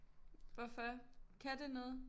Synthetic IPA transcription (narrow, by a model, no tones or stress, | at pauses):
ʋɒfɒkʰæd̥e̝nɔːð̩ˠ